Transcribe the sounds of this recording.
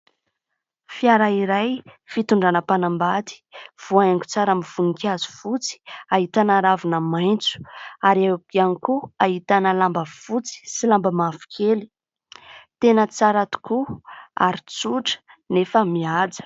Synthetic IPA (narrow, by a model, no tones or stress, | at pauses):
fiaɾaiɾajfit̪uɳɖ͡ʐanəpanambat̪i̥v̥uajaŋku̥t͡saɾamiv̥unikazu̥fut͡si̥aɦit̪anaɾavunəmajnt͡su̥aɾakianikuaɦit̪anəlambəv̥ut͡si̥silambəmavu̥kʰeli̥ | t̪enət͡saɾat̪u̥kua̰ɾit͡suʈ͡ʂə̥nefəmiad͡zə̥